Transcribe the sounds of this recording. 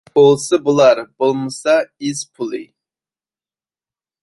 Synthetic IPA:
olˠsɨbulˠɑɾbolˠməsɑizpʰulˠɨ̰

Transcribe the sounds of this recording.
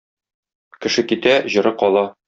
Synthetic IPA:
kɘ̆ʃɘkit̪æʑɤ̆ɾɤqɒlˠɑ

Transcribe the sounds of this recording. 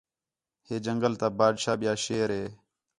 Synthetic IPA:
heːd͡ʒəŋɡəlt̪aːbaːɖʃaːɓɪjaːʃeːɾɦeː

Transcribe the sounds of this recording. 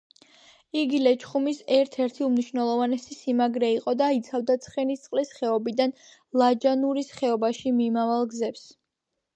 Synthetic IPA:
iɡilɛt͡ʃʰχumisɛɾt̪ʰɛɾt̪ʰiumniʃvnɛlˠɔvanɛsisimaɡɾɛiqʼɔd̪ait̪sʰavd̪at̪sʰχɛnist̪sʼqʼlisχɛɔbid̪an | lˠad͡ʒanuɾisχɛɔbaʃimimavalˠɡzɛps

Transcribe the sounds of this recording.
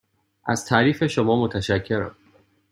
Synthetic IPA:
ʔæz̥t̪ʰæːɾiːfe̞ʃomɒːmot̪ʰæʃækʰːe̞ɾæ̰m

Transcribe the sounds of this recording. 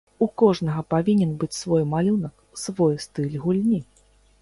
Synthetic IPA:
ukɔʐnɐɣɐpavʲinʲɛnbɨt͡sʲsvɔjmalʲunɐk | svɔjst̪ɨlʲɣulʲnʲi

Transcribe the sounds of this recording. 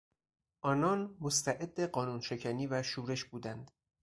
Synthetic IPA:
ʔɒːnɒːnmost̪ʰæʔe̞d̪ːeɢɒːnuːnʃe̞cʰæniːvæʃuːɾe̞ʃbuːd̪ænd̪̥

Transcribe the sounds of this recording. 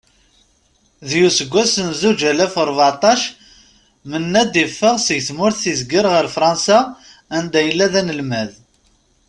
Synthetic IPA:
ðjusəɡʷːæsənzud͡ʒælæfəɾˤvʕat̪ˤɑʃ | mənːæd̪ifːəʁsəʝθmʊɾθθizɡəɾʁəɾfɾˤɑnsa | ænd̪æjəlːæðænəlmæð

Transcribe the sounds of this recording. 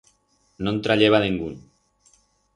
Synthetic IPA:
nont̪ɾaʎeβ̞aniŋɡun

